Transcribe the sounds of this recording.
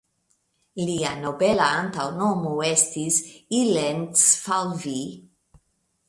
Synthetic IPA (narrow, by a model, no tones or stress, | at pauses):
lianobelaant̪awnomuest̪isilentsfalvi